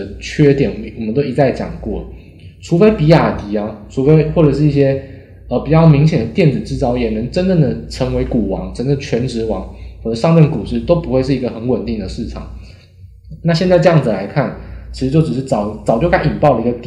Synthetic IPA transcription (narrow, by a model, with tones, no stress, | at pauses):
ə˩t͡ɕʰɥɛ˥t̪jɛ˨˩nwɔ˨˩mə˦nt̪o˥ʊi˧˥t͡sa˥˩ɪt͡ɕjɑ̰˨˩ŋkwɔ̰˥˩ | ʈ͡ʂʰu˧˥fe˥ɪpi˧˥a˨˩t̪i˧˥a˦ʈ͡ʂʰu˧˥fe˥ɪxwɔ˥˩ʈ͡ʂɤ˨˩ʂɻ̩˥˧i˥˩ɕjɛ˥ | ə˨pi˨˩t͡ɕjɑ˥˩ʊmi˧˥ŋɕjɛ˨˩nd̪ə˩t̪jɛ˥˩nd͡zɹ̩˨˩ʈ͡ʂɻ̩˥t͡sɑ˥ʊjɛ˨˩nə˧˥˦ŋʈ͡ʂə˦˥ntə˥˩nd̪ə˩ʈ͡ʂʰə˧˥ŋwe˧˥ɪku˨˩wɑ̰˧˥ŋʈ͡ʂʰə˧˥ŋd̪ə˥˧˩t͡ɕʰɥɛ˧˥nʈ͡ʂɻ̩˧˥wɑ˧˥ŋxwɔ˥˩ə˨˩˦ʂɑ˥˧ŋtə˥˩nku˨˩ʂɻ̩˥˩t̪o˥ʊpu˧˥xwe˥˧ɪʂɻ̩˥˩i˧˥ɡə˧xə˧˥nwə˨˩nt̪i˥˩ŋd̪ə˩ʂɻ̩˥˩ʈ͡ʂʰɑ̰˨˩ŋ | na˥˧ɕjɛ˥˧nt͡sa˥˧ɪʈ͡ʂɤ˥˧jɑ˥˩ŋd͡z̩˩la˧˥ɪkʰa˥˩nt͡ɕʰi˧˥ʂɻ̩˧t͡ɕjo˥˩ʊʈ͡ʂɻ̩˨˩ʂ̬̩˥˩t͡sɑ˨˩ʊt͡sɑ˨˩ʊt͡ɕjo˥˧ʊka˥˩ni˨˩npɑ˥˩ʊd̪ə˨i˧˥ɡə˧t̪